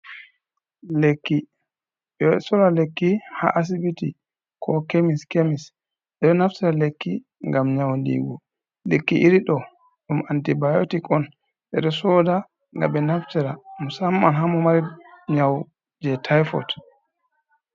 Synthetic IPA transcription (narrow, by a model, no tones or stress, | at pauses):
lekːi | ɗɛɛsɔdalekːiha̰ʔas̬ibiti | kʰɔkemiskemis | ɓɛɗɔnaftiɾalekːi | ŋɡamɲawndḭɡɔ | lekːiʔiɾiɗɔ | ɗumantibajo̰tikɔn | ɓɛ̰ɗɔsɔda | ŋɡa̰ɓɛnaftiɾamusamːanɦamɔmaɾiɲaw | d͡ʒɛtʰajfɔ̰t